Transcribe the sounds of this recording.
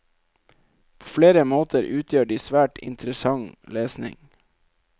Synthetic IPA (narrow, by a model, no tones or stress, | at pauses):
pʰoːfleːɾəmoːt̪ʰəɾʔʉːt̪ʰjøːɖiːsʋæːʈɪ̰nt̪ɾəsɑŋleːsnɪ̰ŋ